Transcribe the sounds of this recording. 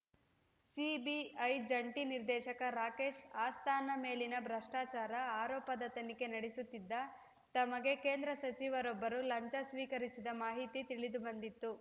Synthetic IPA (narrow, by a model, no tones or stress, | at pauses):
sibiɐjd͡ʒɐɳʈiniɾd̪ɛːʃɐkɐɾaːke̞ːʃaːst̪ʰaːnɐme̞ːlinɐbʱɾɐʂʈaːt͡ʃaːɾɐaːɾɔːpɐd̪ɐt̪ɐnike̞nɐɽisut̪ːid̪ːɐ | t̪ɐmɐɡe̞ke̞ːnd̪ɾɐsɐt͡ʃiʋɐɾɔbːɐɾulɐɲt͡ʃɐsʋiːkɐɾisid̪ɐmaːɦit̪it̪iɭid̪ubɐnd̪it̪ːu